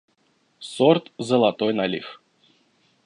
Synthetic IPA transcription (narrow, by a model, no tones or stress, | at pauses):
sɔrt̪zɐlˠat̪ɔjnalʲḭx